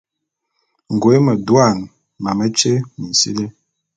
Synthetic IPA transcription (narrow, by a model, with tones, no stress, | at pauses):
ŋ˨ɡwe˦mə˨dwa˦˨n | ma˨mə˦t͡ʃe˦mi˨sḭ˦le˦